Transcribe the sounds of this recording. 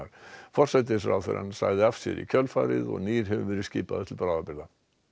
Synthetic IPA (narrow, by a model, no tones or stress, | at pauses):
ɾ̥fɔr̥sɛt̪̬ɪsɾa̰ːwθɛɾa̰nːsa̰ːɣðɪafsjɛ̰ɾicʰœlfaːɾɪðɔ̰ɣniːɾ̥ɦɛvvɛːɾɪsciːpaðɪt̪ʰɪlpɾaːwðapɪɾða